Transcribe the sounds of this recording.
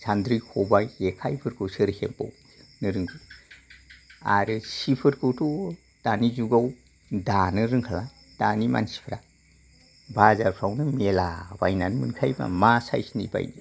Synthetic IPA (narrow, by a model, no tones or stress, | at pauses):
sʰandɾikʰɔbajekʰajpʰɯɾkʰɯwsɯɾhempa̰w | nɯɾɯŋɡʰɯ | a̰ɾɯsipʰɯɾkʰɯwtʰɔ | d̥anizuɡaw | danɯɾɯŋkʰala | d̥anima̰nsi̥pʰɾa | bazaɾpʰɾawnɯmelabajnanmɯ̰nkʰajba̰masa̰jsnḭba̰j